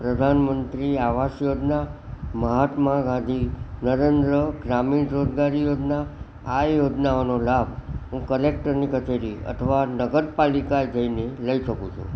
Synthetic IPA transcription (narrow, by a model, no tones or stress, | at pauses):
pɾəd̪ʱanmənt̪ɾiaʋaʃjod͡ʒnaməɦat̪maɡãd̪ʱinəɾend̪ɾəɡɾaminɾod͡ʒɡaɾijod͡ʒna | ajod͡ʒnaonolabʱɦũkəlekʈəɾnikət͡ʃeɾiə̰t̪ʰəʋanəɡəɾpalikaed͡ʒəineləiʃəkṵ̃t͡ʃʰṵ̃